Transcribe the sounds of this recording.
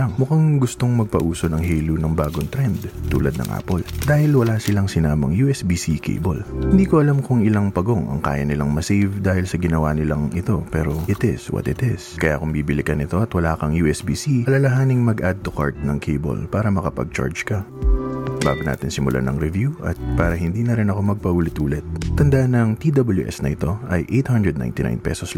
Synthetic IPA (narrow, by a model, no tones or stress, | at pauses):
ɐŋmʊkaŋɡʊst̪o̞ŋmɐɡ̚pɐʔuːsonɐŋɦeːlunɐŋbaːɡont̪ɾɛnd̪t̪ṵːlɐd̪nɐ̰ŋʔa̰ːpold̪aːhɪlwɐlaːsɪlaŋsɪnaːmɐ̰ŋjuːʔɛsbiːsikʰḛjbo̰lhɪnd̪iːkoʔɐlamkʊŋɪlaŋpɐɡo̞ŋʔɐ̰ŋka̰ːjɐnɪlɐŋmɐsejvd̪aːhɪlsɐɡɪnɐwanɪlaŋɪt̪o̞pɛːɾo̞ʔɪt̪ɪswɐ̰t̪ɪt̪ɪskɐja̰kʊmbiːbɪlɪkɐnɪt̪oɐt̪wɐlaːkɐŋjuːʔɛsbiːsiɐlɐlɐɦaːnɪŋmɐɡʔad̪̚t̪oka̰ɹt̪̚nɐŋkʰejbo̰lpaːɾɐmɐkɐpɐ̰ɡ̚t͡ʃa̰ɹd͡ʒkɐ | ba̰ːɡona̰ːt̪ɪnsɪmʊlʔa̰nɐ̰ŋɾɛvjuʔɐ̰t̪̚paːɾɐɦɪnd̪iːnɐɾɪnɐko̞mɐɡ̚pɐʔuːlɪt̪ʔuːlɪt̪̚t̪ɐnd̪aʔɐnɐŋt̪id̪ɐbɐljuʔɛ̰snɐʔɪt̪o̞ʔɐjʔejt̪hand̪ɹɛd̪̚na̰jnt̪ɪna̰jnpɛ̰sos